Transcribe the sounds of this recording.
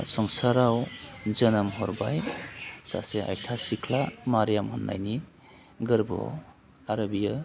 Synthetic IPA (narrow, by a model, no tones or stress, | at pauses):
sɔŋsaɾawzənamɦɔɾbajsa̰sea̰jtʰasikʰlamaɾjamhɔnːa̰jni | ɡɯɾbɔ̰ | aɾabija